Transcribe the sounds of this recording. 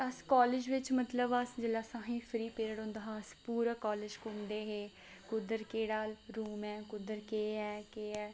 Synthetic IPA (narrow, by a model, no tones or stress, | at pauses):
əskɔːlɪːd͡ʒʋɪt͡ʃmət̪ləbəsd͡ʒeːlaːsãːɦĩːpʰɾiːpeːɾəɽɦõːnd̪aːɦãːspuːɾəːkɔːleːd͡ʒkʊmd̪eːɦeː | kʊd̪əɾkeːɽaːlɾuːmɛ̃ːkʊd̪əɾkeːɛːkeːɛː